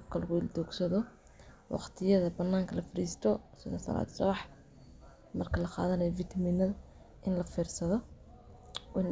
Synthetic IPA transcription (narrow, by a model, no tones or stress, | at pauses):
bkʰɐlɐɣʊɪld̪uːɡsɐðɔ | wɑ̰qt̪ʰɪjɐðɐbɐnːaːŋkʰɐlɐfɐɾiːst̪ʰɔsɪðɐsɐ̰la̰ːd̪sɔβɑħ | mɐrkʰɐlɐqɑ̰ːðɐnɛjɔfɪt̪ʰɐmiːnɐðʊ | ʔɪnlɐfiːrsɐðɔ | wn